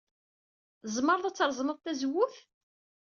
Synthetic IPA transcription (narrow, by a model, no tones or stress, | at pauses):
zˤməɾˤðˤæt͡sːɾˤzˤməðˤt̪æzwːʊθ